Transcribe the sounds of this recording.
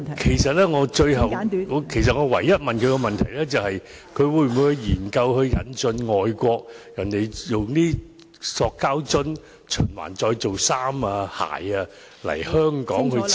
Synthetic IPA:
kʰe˨˩jsɐ˨t̚lɛː˥ŋɔː˨˧t͡ʃɵ˧ɥɦɐ˨wŋ˨˧kʰe˨˩js̬ɐ˨t̚ŋɔː˨˧wɐ̰˨˩jːɐ˥t̚mɐ˨nkʰɵ˧jkɔ˧mɐ˨nt̪ʰɐ˨˩jlɛː˥t͡sɐ˨whɐ˨j | kʰɵ˨˧ɥwuː˨˧jm˨uː˨˧jhɐ˧jjiː˨˩nkɐ˧wɦɵ˧ɥjɐ̰˨˧˥nt͡ʃɵ˧nŋɔː˨˩jkʷɔː˧k̚jɐ˨˩nt̪e˨˩jjʊ˨ŋniː˥ | sɔː˧kːaː˥wt͡sɵ˥n | t͡ʃʰɵ˨˩nwa̰ː˨˩nt͡ʃɔː˧jt͡so˨wsaː˥maː˧ha̰ː˨˩jɐː˧ | lɐ̰˨˩jhœː˥ŋkɔː˨˥ŋhɵ˧

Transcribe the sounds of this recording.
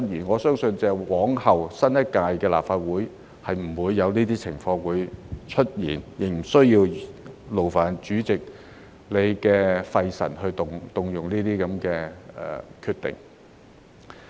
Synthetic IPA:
t̚jiː˨˩nŋɔː˨˧sœː˥ŋsɵ˧nt͡sɛː˧wɔː˨˥ŋhɐ˨wsɐ˥njɐ˥t̚kaː˧jkɛː˧la̰ː˨p̚faː˧t̚wuː˨˥j | hɐ˨jm̩˨˩wuː˨˧jːɐ˨˧wniː˥t̪iː˥t͡sʰɪ˨˩ŋfɔː˧ŋwuː˨˧jt͡ʃʰɵ˥t̚jiː˨˩njɪ˨˩ŋ̚m̩˨˩sɵ˥ɥjiː˧wlo˨˩wfaː˨˩nt͡ʃyː˨˥t͡sɪ˨k̚ | le˨˧jkɛː˧fɐ˧jsɐ̰˨˩nhɵ˧ɥt̪ʊ˨ŋt̪ʊ˨ŋjʊ˨ŋniː˥t̪iː˥kɐ˨˥mkɛː˧ɛ̰ː˨˩kʰyː˧t̪ɪ̰˨ŋ

